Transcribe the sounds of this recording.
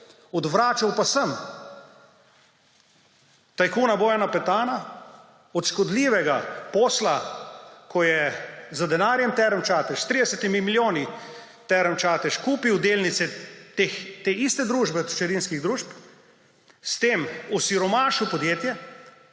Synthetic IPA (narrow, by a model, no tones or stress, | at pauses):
ɔd̪ʋɾaːt͡ʃawpasəm | t̪ajkuːnaboːjanapɛt̪aːna | ɔt̪ʃkɔd̪liːʋɛɡapɔːsla | kʰɔjɛzad̪ɛnaːɾjɛmt̪ɛɾəmt͡ʃaːt̪ɛʃst̪ɾiːd̪ɛsɛt̪imimiljoːni | t̪ɛɾəmt͡ʃaːt̪ɛʃkuːpiwd̪eːlnit̪sɛt̪ext̪eːist̪ɛd̪ɾuːʒbɛt͡ʃɛɾinskiɣd̪ɾuːʃp | st̪eːmɔsiɾɔmaːʃiwpɔd̪jeːt̪jɛ